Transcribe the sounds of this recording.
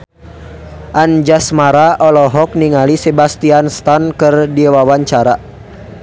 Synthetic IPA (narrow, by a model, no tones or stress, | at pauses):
ʔand͡ʒasmaɾaɔlɔɦɔk̚niŋalisebast̪ianst̪ankɨrdiwawaɲt͡ʃaɾa